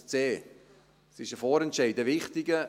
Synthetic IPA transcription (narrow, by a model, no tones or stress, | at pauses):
t͡seː | sɪʃəfɔːɾɛntʃɛɪdəvɪχtɪɡə